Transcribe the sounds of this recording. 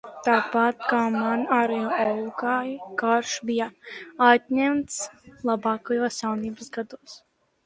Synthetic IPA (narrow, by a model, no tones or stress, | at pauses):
t̪aːpat̪kaːmanaɾɛjɔawkaːjkaɾʃbijaat̪ɲɛmt̪slˠabɑːkajoːsjawniːbəsɡad̪uːs